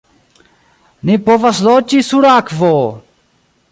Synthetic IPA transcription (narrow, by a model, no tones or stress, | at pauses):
nipoʋɐsloːt͡ʃisuɽaːkʰvoː